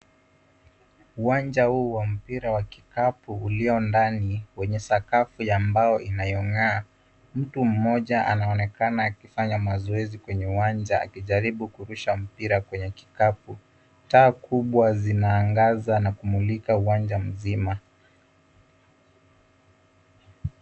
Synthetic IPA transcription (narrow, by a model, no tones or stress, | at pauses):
uwand͡ʒahuːwam̩piɾawaki̥kapuːliɔndaniwɛɲɛsakafujambajɔʔinajɔŋaː | m̩tum̩mɔʄaʔa̰naɔnɛkanaːkifaɲamazɔɛzikwɛɲɛuwand͡ʒaa̰kiʄaɾiɓukuɾuʃam̩piɾakwɛɲɛki̥kapu | taːkuɓwazinaːŋɡazanakumulikauwand͡ʒam̩zima